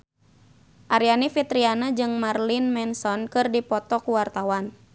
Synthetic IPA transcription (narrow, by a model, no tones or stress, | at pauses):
ʔaɾianifit̪ɾianad͡ʒɨŋmarlinmɛnsɔnkɨrdipɔt̪ɔkuwart̪awan